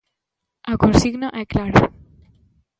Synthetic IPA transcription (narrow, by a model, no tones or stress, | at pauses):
akunsiɣnaʔɛklaɾ